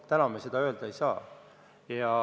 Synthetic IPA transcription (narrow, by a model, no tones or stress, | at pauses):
t̪ænɑmese̞d̪̥ɑø̞ːld̪̥ɑejsɑː | jɑ